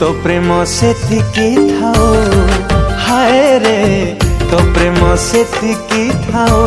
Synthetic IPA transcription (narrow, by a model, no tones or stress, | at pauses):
t̪opɾemɔset̪ikit̪ʰaw | hajɾet̪opɾemɔset̪ikit̪ʰa